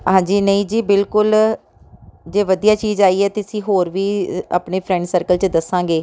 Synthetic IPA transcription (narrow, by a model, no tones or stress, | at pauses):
ɦãːd͡ʒiːnəĩːd͡ʒiːbɪlkʊl | d͡ʒeːʋəd̪ijaːt͡ʃiːzaːiːɛːt̪eɪəsĩːɦoːɾʋiːa̰ːpɳeːpʰɾɛ̃ɳɖsəːɾkəlt͡ʃəd̪əsãːɡeː